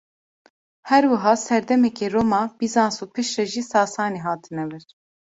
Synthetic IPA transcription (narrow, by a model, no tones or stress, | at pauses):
hɛɾwɨɦɑːsɛɾd̪ɛmɛkeːɾoːmɑːb̥izɑːnsuːpʰɨʃɾɛʒisɑːsɑːniːɦɑːt̪ʰɨnɛwɨɾ